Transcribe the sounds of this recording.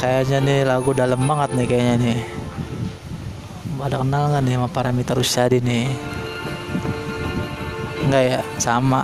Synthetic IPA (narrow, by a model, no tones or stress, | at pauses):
kajaɲanɪlaɡudalambaŋət̪̚nɪkajaɲanɪ | badakənalŋɡanɪmapaɾamit̪əɾust͡ʃadinɪ | ŋɡajasama